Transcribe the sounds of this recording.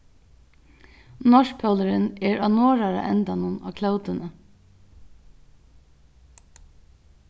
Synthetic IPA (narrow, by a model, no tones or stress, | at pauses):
nɔʃpʰœləɾəneːɹɑːnoːɹɑɾə̰ʔɛnd̪ɑnʊnɑ̰ːkʰlɑʊd̪ənə